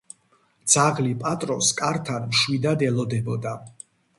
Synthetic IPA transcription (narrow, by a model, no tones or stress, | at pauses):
d̪z̥aʁlipʼat̪ʼɾɔskʼaɾt̪ʰanmʃwid̪ad̪ɛlɔd̪ɛbɔd̪a